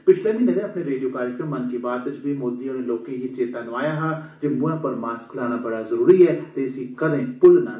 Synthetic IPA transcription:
pɪt͡ʃʰlẽːmiːned̪ẽːəpneːɾeːɖioːkaːɾɪkɾə̃mːənkiːbaːt̪ɪt͡ʃbiːmoːd̪iãːɾeloːkẽːɦiːt͡ʃeːt̪ãːnəʋaːjãːɦãːd͡ʒembʊãːpəɾmaːsklaːɽ̃aːbəɽaːzəɾuːɾiːɛːt̪eːɪsĩːkəd̪ẽːpʊlnaː

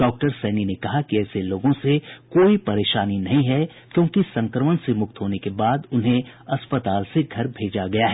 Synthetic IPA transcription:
ɖɔːk̚ʈəɾsɛːninekɐɦakiɛːseloːɡõsekoːipɐɾeːʃaːninɐɦĩɦɛ | kjõːkisɐ̃ŋkɾəmənsemʊk̚t̪ɦoːnekebaːd̪ʊnɦẽɐspət̪aːlseɡʱɐɾbʱeːd͡ʒaɡɐjaɦɛː

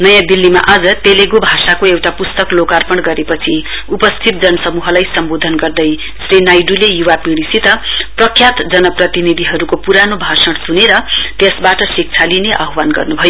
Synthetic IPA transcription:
nʌjãbilːima̰ʔad͡zʌt̪eleɡobʱasakoewʈapust̪ʌklokarpʌɽɡʌɾepʌt͡sʰi | upʌst̪ʰit̪̚d͡zʌnʌsʌmuɦʌlajsʌmbod̪ʱʌnɡʌrd̪ʌj | srinajɖulejuwapiɽisit̪ʌprʌkʰjat̪d͡zʌnʌprʌt̪inid̪ʱiɦʌɾukopuɾanobʱasʌɽtuneɾʌt̪esbaʈʌsik̚t͡sʰalineʔʌɦwanɡʌ̰rnubʱʌjo

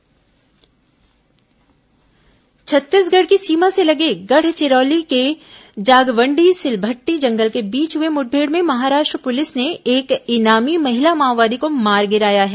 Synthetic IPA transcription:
t͡ʃʰɐt̪ːɪsɡɐɽkisiːmãselɐɡeɡɐɽ̤t͡ʃɪɾɔːliked͡ʒaːɡʋə̃ɳɖisɪlbʱəʈːid͡ʒɐ̃ŋɡəlkebiːt͡ʃɦʊemʊʈ̚ʰbʱeːɽmẽmɐɦaːɾaːʃʈɾəpʊlɪsneeːkɪnaːmimɐɦɪlamaːʋaːd̪ikomaːɾɡɪɾaːjaɦɛː

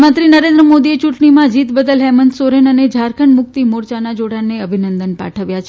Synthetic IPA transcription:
mat̪ɾinəɾẽnd̪ɾəmod̪iet͡ʃuʈɳimãd͡ʒit̪bəd̪əlɦɛmənd̪soɾenəned͡ʒʱaɾkʰəɳmʊk̚t̪imoɾt͡ʃanad͡ʒoɽaneəbʱinənd̪ənpa̰ʈʰəʋjat͡ʃʰ

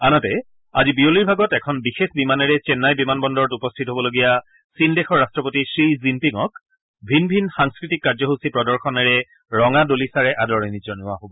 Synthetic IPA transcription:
anɔtɛ | azibioliɹbʱaɡɔtɛkʰɔnbixexbimanɛɹɛt͡ʃɛnːajbimanbɔndɔɹɔtupɔstʰitɦobɔloɡija | sindɛxɔɹastɹɔpotisɹizimpiŋɔk | bʱinbʱinxaŋskɹitikːaɹzɔɦosipɹɔdɔɹxʰɔnɛɹɛ | ɹɔŋadolisaɹɛʔadɔɹɛnid͡ʒɔnʊaɦobɔ

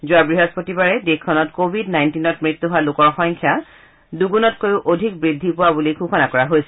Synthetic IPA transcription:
zʊabɹiɦɔspotibaɹɛdekʰːɔnɔtkobʱidnajntinɔtmɹit̪ːuɦoalʊkɔɹxɔŋkʰja | duɡunɔtkojʊʔodʱik̚bɹidʱːipʊwabulikʰuxʰɔnakɔɹaɦojsɛ

